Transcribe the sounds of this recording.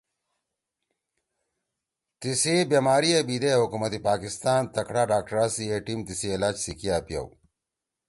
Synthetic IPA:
t̪isibjemaːɾiɐbid̪eɦukumɐt̪ipaːkist̪aːnt̪ɐkɽaːɖaːk̚ʈɐɾaːsieʈimt̪isiːlaːd͡ʑsikijaːpjɐ̰w

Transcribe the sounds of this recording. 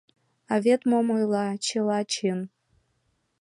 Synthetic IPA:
avʲetʰʼmomojlat͡ʃʰelat͡ʃʰɪn

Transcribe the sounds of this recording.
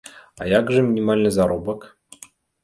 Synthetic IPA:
ɑ̰jakʐɘmʲinʲimalʲnɤzaɾobək

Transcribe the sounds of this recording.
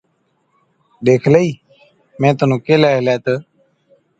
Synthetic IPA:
ɗeːkʰləiː | mẽːt̪ʊnũːkeːlaːɦlɛ̃ːt̪əː

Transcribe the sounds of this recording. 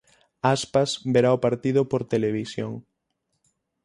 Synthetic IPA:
aspasbeɾaopaɾt̪iðopoɾt̪eleβ̞isjoŋ

